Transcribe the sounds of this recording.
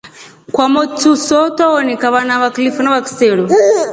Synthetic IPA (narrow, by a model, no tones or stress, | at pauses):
kwamɔtʰusɔt̪ɔɔnikaβanaβaklifɔnaβaki̥sɛɺɔ